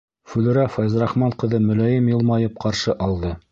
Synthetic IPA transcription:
fʉlɘ̆ɾæfɑjzɾɑχmɑɴqɤ̆ðɤmɵ̆læjɘmjɤ̆lˠmɑjɤp̚qɑɾʃɤʔɑlˠd̪ɤ

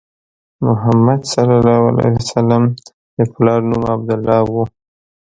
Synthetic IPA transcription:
mʊɦamad̪salɑlɑwa̰la̰jasalam | d̪̥əplɑɾnumab̚d̪ʊlːɑwu

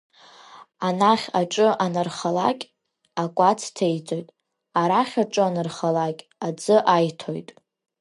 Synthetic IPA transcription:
anaχʲaʈ͡ʂʼɨʔanɨrχalakʲʼ | akʷʼat͡sʰtʰejt͡sʼo̞jtʼ | aɾaχʲaʈ͡ʂʼɨanɨrχalakʲʼad͡zɨʔajtʰo̰jtʼ

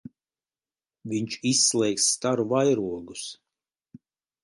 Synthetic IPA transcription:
viɲʲt͡ʃisːlˠɛjksːt̪aɾuvajɾuɔɡus

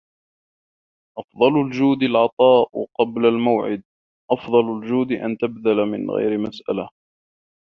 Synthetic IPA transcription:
ʔɑfd̪ˤɑlʊld͡ʒuːd̪ɪlʕɑt̪ˤɑːʔqɑblalmawʕɪ̰d̪̚ | ʔɑfðˤɑlʊld͡ʒuːd̪ɪʔa̰nt̪abðalamɪ̰nɣa̰jɾɪmasʔa̰la

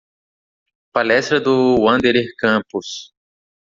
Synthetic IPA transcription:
palɛst̪ɾɐd̪ʊwɐ̃d̪elehkɐ̃pus

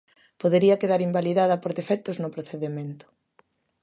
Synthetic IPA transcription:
poðeɾiɐkeðaɾimbaliðaðɐpoɾðefɛt̪oznʊpɾoθeðemẽnt̪ʊ̥

